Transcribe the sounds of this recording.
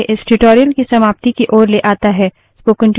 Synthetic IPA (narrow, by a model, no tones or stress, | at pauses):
eʔɪsʈʊʈoːɾijəlkisɐmaːp̚t̪ikiʔɔːɾleʔaːt̪aɦɛː | spoːkɪ̃ɳʈ